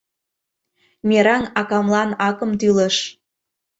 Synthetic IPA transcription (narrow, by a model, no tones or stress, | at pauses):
mʲeɾɑnɑkɑmlɑnɑkə̆mt̪yləʃ